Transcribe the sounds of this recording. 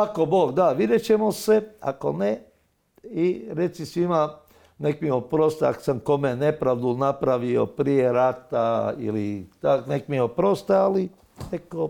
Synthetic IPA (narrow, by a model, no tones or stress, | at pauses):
akoboːɡd̪aʋid̪et͡ʃemosea̰ko̞̰ne | iɾet̪sisʋima | nekmiopɾost̪aa̰ksamkomenepɾaʋd̪unapɾaʋio̰pɾijeɾat̪aḭlḭt̪aknekmiopɾost̪aali | neko